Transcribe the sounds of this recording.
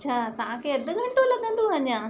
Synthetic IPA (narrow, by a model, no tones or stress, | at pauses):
t͡ɕʰaːt̪ɐʋ̤ãkeɐd̪ʊɡʱɐ̃ɳʈõlɐɠə̃nd̪uɦɐ̃ɲjãː